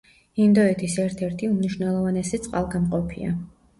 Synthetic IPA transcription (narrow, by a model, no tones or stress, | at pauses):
ind̪ɔɛt̪ʰisɛɾt̪ʰɛɾt̪ʰiumniʃvnɛlˠɔvanɛsit̪sʼqʼalˠɡamqʼɔpʰḭa̰